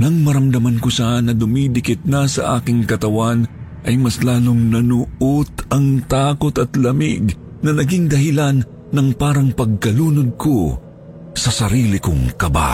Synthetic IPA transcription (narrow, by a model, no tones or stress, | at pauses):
nɐŋmɐɾɐmd̪ɐmɐnkosanɐd̪ʊmiːd̪ɪkɪt̪̚nɐsɐ̰ʔaːkɪŋkɐt̪ɐwanʔɐjmɐslaːloŋnɐnʊʔot̪ɐŋt̪aːkot̪ɐt̪lɐmɪ̰ɡ | nɐnɐɡɪŋd̪ɐɦɪlanː | ɐŋpaːɾɐŋpɐɡ̚kɐluːnod̪̚kʰo | sɐsɐɾiːlɪko̰ŋkɐba̰